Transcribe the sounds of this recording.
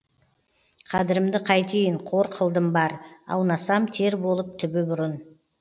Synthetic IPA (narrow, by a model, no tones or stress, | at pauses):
qʰɑd̪ɪɾɪmd̪ɪqʰɑjt̪ʰejɪɴqʰo̞ɾqʰəlˠd̪əmbɑɾɑ̰wnɑsɑmt̪ʰe̞ɾbo̞lˠəp̚t̪ʰʏbɪbʊɾən